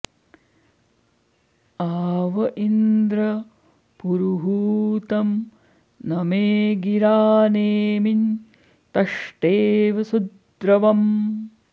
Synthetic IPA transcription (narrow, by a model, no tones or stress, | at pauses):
aːʋɐʔind̪ɾɐ | puɾuɦuːt̪ɐm | nɐmeːɡiɾaːneːmin | t̪ɐʂʈeːʋɐsud̪ɾɐʋɐm